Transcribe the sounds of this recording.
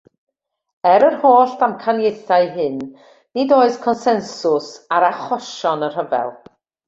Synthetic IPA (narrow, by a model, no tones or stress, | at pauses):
ɛɾərhoːɬdamkʰanjejθaɨɦɨnː | idoːɨð̥kʰɔnsɛnsʊsaɾaχɔʃɔnər̥həvɛ̰lˠ